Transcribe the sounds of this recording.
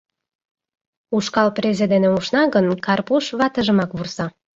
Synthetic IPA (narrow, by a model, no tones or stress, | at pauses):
uʃkɑlprezed̪eneuʃnɑɣənkɑrpuʃβɑt̪ə̆ʒə̆mɑkβursɑ